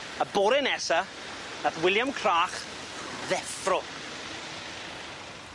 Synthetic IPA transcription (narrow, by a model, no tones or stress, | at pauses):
əbɔɾɪnɛsa | naθwɪlˠjamkʰraːχ | ðɛfrɔ